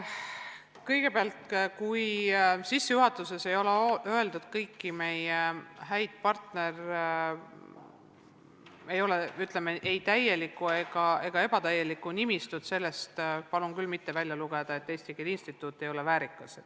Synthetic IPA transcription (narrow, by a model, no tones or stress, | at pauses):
kɤjɡ̥e̞peɑlt̪kujsisːejuɦɑt̪ːˑuse̞se̞jo̞leøe̞ld̪ud̪̥kɤjkːime̞jeɦæjd̪̥̚pɑrt̪ne̞r | e̞jo̞leyt̪ˑlemeʔejt̪æje̞likːˑue̞ɡ̥ɑe̞ɡ̥ɑe̞b̥ɑt̪æje̞likːˑunimist̪ud̪̥se̞lːe̞st̪pɑlunkylmit̪ːe̞vælʲjɑluɡ̥ed̪ɑe̞t̪ːest̪ikid̪inst̪it̪ːˑuːt̪ˑːe̞jo̞levæːɾikːˑɑsed̪̥